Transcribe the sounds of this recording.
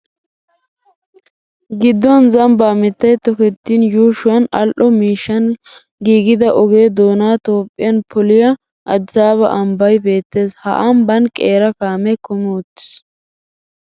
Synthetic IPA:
ɡɪd̪ːɔnzɐmbaːmɪt̪ːɐjt̪ɔkɛt̪ːiːnjuːʃʊwɐnɐlʔɔmiːʃːɐn | ɡiːɡɪd̪ɐʔɔɡeːd̪o̞ːnaːt̪o̞ːpʼːɪjɐnpʰɔlɪjɐ | ʔɐd̪zaːβɐ̰ʔɐmbɐjbe̞ːt̪ːe̞ːshɐ̰ʔɐmbɐnkʼeːɾɐkaːmɛkɔmɔʊt̪ːɪ̥s

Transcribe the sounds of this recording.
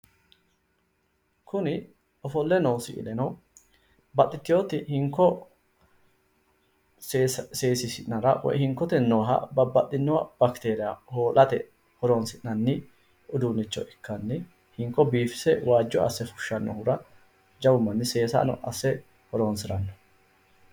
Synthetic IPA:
kʰʊnɪ | ɔfɔlːɛnɐwsɪ̰ʔɪ̰lɛnɐw | bɐt̪ʼːɪt̪ːɪjoːt̪ɪhɪŋkːɔ | seːsɪsɪʔnɐɾɐ̰wɔ̰jhɪŋkːɔt̪ɛnɔːɦɐ̰bɐbːɐt̪ʼːɪnːɔɐb̥ɐkt̪e̞ːɾɪjahoːlʔɐt̪ɛ | hɔɾoːnsɪʔnɐnːɪ | ʊd̪uːnːɪt͡ʃːɔ̰ʔɪkʰːɐnːɪ | hɪŋkːɔbiːfɪ̥sɛwaːd͡ʒːɔɐ̰sːɛfʊ̥ʃːɐnːɔ̰hʊɾɐ | d͡ʒɐwʊmːɐnːɪse̞ːsɐ̰nɔ̰ʔɐsːɛ | hɔɾoːnsɪɾɐnːɔ̥

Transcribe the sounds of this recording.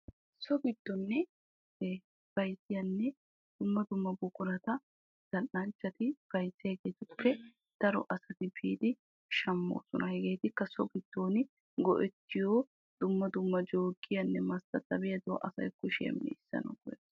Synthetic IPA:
sɔɡɪd̪̥ːɔnːɛ | b̥ɐjsɪjɐnːɛ | d̪̥ʊmːɐd̪ʊmːɐbʊkʼʊɾɐt̪ɐ | d̪̥ɐnːɐnt͡ʃːɐt̪ɪb̥ɐjsːɪjɐhɛɡeːt̪ʊpːɛ | d̪̥ɐɾɔ̰ʔɐsɐt̪ɪbiːd̪ɪ | ʃɐmːo̰ːsɔnɐhɛɡe̞ːt̪ɪkːɐsɔɡɪd̪̥ːoːnɪ | ɡɔ̰ʔɛt̪ːɪjoː | d̪̥ʊmːɐd̪ʊmːɐd͡ʒoːɡɪjɐnːɛmɐst̪ɐt̪ːɐbɛjɐd̪ʊw̰ʔɐsɐ̰jkːʊʃɪjɐ̰mnɛ̰ɪsːɐ̰nɐ̰ɡɔjɛt̪ː

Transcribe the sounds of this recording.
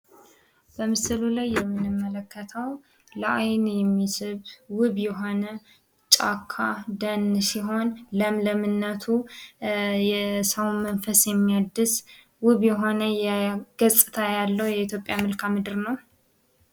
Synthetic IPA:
b̥əmɨsɨlulajːɛmːɨnɨmːələkʰːət̪ʰəw | ləʔajnjɛmːisɨβwɨβjɛɦo̞nə | t͡ʃʼakʰːad̪ənsiɦo̞nləmləmɨnːət̪ʰu | jɛsəwmənfəsjɛmːiad̪ːɨs | wɨβjɛɦo̞nəjɛɡ̥əsʼɨt̪ʰajalːəwjɛit̪ʰjo̞pʼjamɨlkʰamɨd̪ɨɾnəw

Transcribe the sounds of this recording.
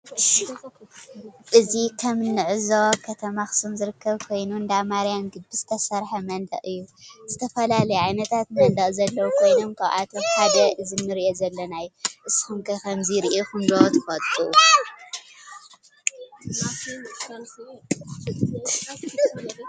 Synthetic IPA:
ʔɨzikʰɐmnːɨʕɨzɐwakʰɐt̪ʰɐmaxsumzɨɾɨkʰːɐβkʰo̞jnund̪amaɾijamɡɨd̚biz̥ɨt̪ʰɐsɐɾħɐmɐnd̪ɐ̰ʔʼɨjːuz̥ɨt̪ʰɐfɐlalɐjuʕajnɐt̪ʰat̪̚mɐnd̪ɐʔʼzɐlːɐwukʰo̞jno̞mkʰaβʔa̰t̪ʰomħad̪ɐʔɨzinːɨɾiʔozɐlːɐnajuʔɨsxumkʰɐkʰɐmziɾiʔexɨnd̪owt̪ʰɨ̥xɐt̪ʼuʔu

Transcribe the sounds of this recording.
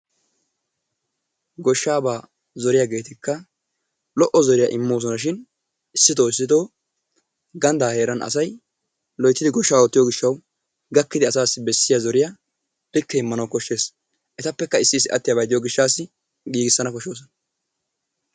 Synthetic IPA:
ɡɔʃːaːbaː | zɔɾɪjaɡe̞ːt̪ɪkːɐ | lɔʔɔzɔɾɪjɐʔɪmːoːs̬ɔnɐʃ̬ɪn | ɪsːɪt̪oːɪs̬ːɪd̪oː | ɡɐnd̪aːhe̞ːɾɐnɐ̰sɐj | lɔjt̪ːɪd̪ɪɡɔʃːaːwɔt̪ːɪjoːɡɪʃːɐw | ɡɐkːɪd̪ɪɐsaːsːɪbɛsːɪjazɔɾɪja | bɪkːɛɪmːɐnɐwkɔʃːe̞ːs | ʔɛt̪ɐpːɛkːɐɪsːɪsɪʔɐ̰t̪ːɪjabɐjd̪ɪjoːɡɪʃːaːsɪ | ɡiːɡɪsːɐnɐkɔʃoːs̬ɔnɐ

